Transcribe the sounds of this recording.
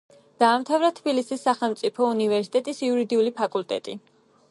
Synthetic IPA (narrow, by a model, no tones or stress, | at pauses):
d̪̥aːmt̪ʰavɾat̪ʰbilisisːaχɛlˠmt̪sʼipʰɔunivɛɾsi̥t̪ʼɛt̪ʼisiuɾid̪iulipʰakʼult̪ʼɛ̰t̪ʼḭ